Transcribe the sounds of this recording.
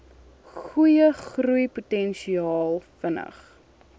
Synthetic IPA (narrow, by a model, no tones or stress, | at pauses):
χujəχrujputɛnʃiɑːlˠfənə̰χ